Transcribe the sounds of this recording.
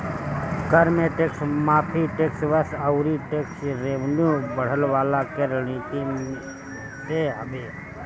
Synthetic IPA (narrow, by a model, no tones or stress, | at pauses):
kəɾmeʈeksmaːpʰiʈeksʋəsəʊɾiʈeksɾeʋnjubəɽ̤əlʋaːlakeɾənnit̪i | t̪eɦəbe